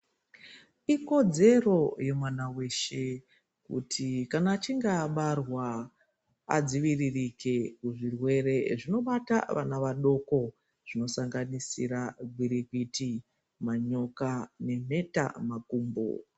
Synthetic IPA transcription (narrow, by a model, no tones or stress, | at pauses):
iko̞d͡ze̞ro̞jemwanawe̞ʃe̞ | kṵtʰikanaːt͡ʃiŋɡaɓarwa | a̰d͡ziʋiririke̞kuʐirwe̞ɾe̞ʐino̞ɓataʋa̰naʋaɗo̞ko̞ | ʐ̥ino̞saŋɡanisḭɾaɡwiɾikitʰi | maɲo̞kane̞me̞ta̰makuːmbo̰